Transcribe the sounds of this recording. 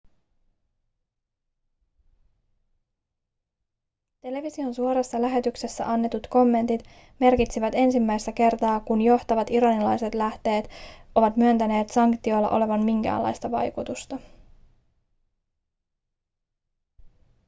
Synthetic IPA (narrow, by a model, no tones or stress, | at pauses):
t̪e̞le̞ʋisio̞nsuo̞ɾɑsːɑlæɦet̪ykse̞sːæ̰ʔɑnːe̞t̪ut̪ko̞mːe̞nt̪it̪ | me̞rkit̪siʋæt̪e̞nsimːæjst̪æke̞rt̪ɑːkunjo̞ht̪ɑʋɑt̪iɾɑnilɑjse̞t̪læht̪e̞ːt̪o̞ʋɑt̪myønt̪æne̞ːt̪sɑŋkt̪io̞lːɑ̰ʔo̞̰le̞ʋɑnmiŋk̟æ̰ːlːɑ̰jst̪ɑʋɑ̰jkut̪ust̪ɑ